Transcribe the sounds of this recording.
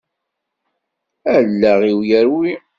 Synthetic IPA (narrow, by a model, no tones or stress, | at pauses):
ælːæʁiwjəɾwi